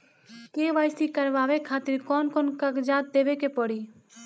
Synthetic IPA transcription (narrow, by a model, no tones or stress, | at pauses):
keːʋaːjst̪ikəɾʋaːʋekʰaːt̪ɪɾkɔːnkonkakd͡ʒaːt̪̚d̪eːʋekepɔɽi